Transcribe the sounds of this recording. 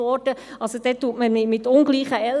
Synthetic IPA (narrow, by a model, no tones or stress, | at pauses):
ɔɾd̥ə | ʔɑlsod̥̪ɛt̪ːuːətməmɪmɪt̪ːʊnɡliːχəɛl